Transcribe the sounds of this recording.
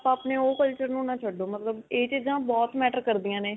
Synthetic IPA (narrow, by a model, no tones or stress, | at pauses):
paaːpneːoːkəlt͡ʃəɾnũːnãːt͡ʃʰəɖːoːmət̪ləbeːt͡ʃiːd͡ʒãːbɔːt̪mɛːʈəɾkəɾd̪ijãːneː